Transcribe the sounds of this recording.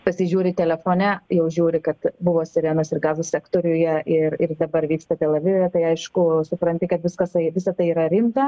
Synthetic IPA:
pɐsʲɪʒʲuːɾʲɪt̪ʲɛlʲɛfoːnʲæjɛʊʒʲuːɾʲɪkɐt̪bʊʋoːsʲɪɾʲeːnoːsɪrɡɑːzʊsʲæːkt̪oːɾʲʊjɛʔɪrɪrd̪ɐbɐɾʋʲiːkst̪ɐt̪ʲɛlʲˠɐʋʲɪʋʲɛt̪ɐɪɐɪʃkʊsʊpɾɐnʲt̪ʲɪkɐt̪ʋʲɪskɐsɐɪʋʲɪsɐt̪ɐɪiːɾɐɾʲɪmt̪ɐ

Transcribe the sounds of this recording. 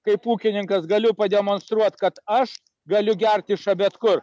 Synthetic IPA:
kɐɪpuːkʲɪnʲɪŋkɐsɡɐlʲʊpɐd̪ʲɛmoːnst̪ɾuɔt̪kɐt̪ɐʃ | ɡɐlʲʊɡʲɛrʲt̪ʲɪʃɐbʲɛt̪kʊr

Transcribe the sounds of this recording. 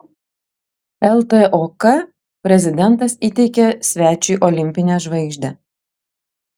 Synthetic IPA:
ɛlˠt̪eʔokɐ | pʲɾʲɛzʲɪd̪ʲɛnt̪ɐsit̪ʲɛɪkʲɛsʲʋʲæːt͡ʃʲʊːˑʔɔlʲɪmʲpʲɪnʲɛʒʋɐɪɡʒʲd̪ʲɛ

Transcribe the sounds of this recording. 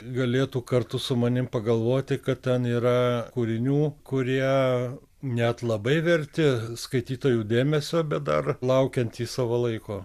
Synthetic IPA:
ɡɐlʲeːt̪uːkɐrt̪ʊsʊmɐnʲɪmpɐɡɐlˠʋoːt̪ʲɪkɐt̪tʲɛniːɾɐkuːɾʲɪnʲuːkʊɾʲiɛ | nʲɛt̪lˠɐbɐɪʋʲɛɾʲt̪ʲɪskɐɪt̪ʲiːt̪oːjuːd̪ʲeːmʲɛsʲoːbʲɛt̪̚d̪ɐ̰rlˠɐʊkʲɛnʲt̪ʲiːsɑːʋolˠɐɪkoː

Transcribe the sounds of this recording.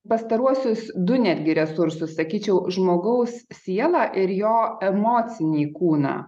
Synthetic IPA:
pɐst̪ɐɾuɔsʲʊsd̪ʊnʲæːd̪ʲɡʲɪɾʲɛsʊɾsʊssɐkʲiːt͡ʃʲɛʊʒmoːɡɐʊssʲiɛlˠɑːʔɪɾjoːɛmoːt̪sʲɪnʲiːkuːnɐ̰ː

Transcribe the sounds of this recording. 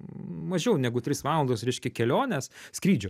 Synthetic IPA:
mɐʒʲɛʊnʲɛɡʊt̪ʲɾʲɪsʋɑːlˠlnd̪osɾʲɛɪʃʲkʲɛkʲɛlʲoːnʲɛsskɾʲiːd͡ʒʲʊ

